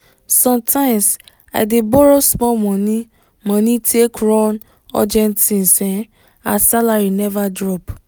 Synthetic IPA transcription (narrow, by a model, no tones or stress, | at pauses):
sɔ̃mtʰãɪ̃ms | a̰jdebɔɾosmɔmɔ̃nĩ | mɔ̃nĩtʰekɾɔ̃n | ɔ̰d͡ʒɛ̃ntĩn̩sɛ̃ | asalaɾinɛvadɾɔp